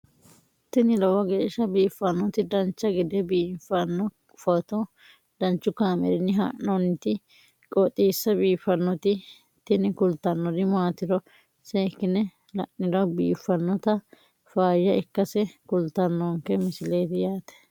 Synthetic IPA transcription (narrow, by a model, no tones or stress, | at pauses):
t̪ːɪnɪlɔwɐɡeːʃːɐbiːfːɐnːɔt̪ɪd̪ɐnt͡ʃːɐɡɪd̪ɛbiːfːɐnːɔ | fɐt̪ɔ | d̪̥ɐnt͡ʃːʊkaːmɛ̰ɾɪnːɪɦa̰ːʔɔnːɪt̪ɪ | kʼɔt̪ʼiːsːɐbiːfɐnːɔt̪ɪ | t̪ɪnɪkʊlt̪ːɐnːɔd̪ɪmaːt̪ɪɾɔ | seːkːɪnɛ | lɐʔɪdɐbiːfːɐnːɔt̪ɐ | faːjːɐʔɪkːɐsɛkʊlt̪ɐnːɔŋkɛmɪsɪleːt̪ɪjaːt̪ɛ̥